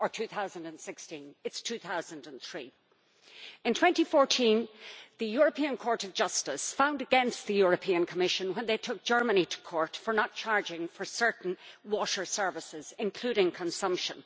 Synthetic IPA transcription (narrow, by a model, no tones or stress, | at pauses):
ə˞tʰʉθaʊzə̃ndə̃nsɪkstĩnɨtstʰʉθaʊzə̃ndə̃nθɹi | ɪ̃ntʰw̥ɛ̃ntifɔɹtʰĩnðɨjʊɹəpʰĩə̃nkʰɔɹɾʌvd͡ʒʌstɪsfãʊ̃ndɨɡɛ̃nst̪̚ðɨjʊɹɨpʰĩə̃nkʰəmɪʃə̃nwə̃nðeɪtʰʊk̚d̥ʒ̥ɜ˞mənitʰə̥kʰɔɹtfə˞nət̚t͡ʃʰaɹd͡ʒɪ̃ŋfə˞sɜ˞ʔn̩wɔɾə˞sɜ˞vɪsɪz̥ɪ̃nkʰl̥ʉɾɪ̃ŋkʰə̃nsʌ̃mpʃə̃n